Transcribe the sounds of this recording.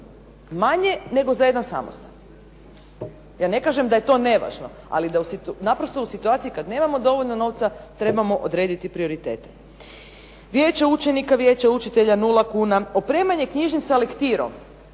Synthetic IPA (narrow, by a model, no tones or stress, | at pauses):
maɲe̞ne̞ɡozaje̞d̪ansa̰mo̰st̪an | jaːne̞kaːʒemd̪aje̞t̪o̞ne̞ʋa̰ːʒno̞̰ | a̰lid̪ausit̪napɾost̪o̞usit̪uaːt̪sikad̪ne̞ːmamo̞d̪o̞ʋoʎnono̞ʋt̪sat̪ɾe̞bamo̞ʔod̪ɾe̞ːd̪it̪ipɾio̞ɾit̪ḛːt̪e̥ | ʋje̞ːt͡ʃaut͡ʃenikaʋjet͡ɕaut͡ʃit̪eʎanulakuːnaopɾeːmaɲe̞kɲiʒnit̪selekt̪iɾo̰m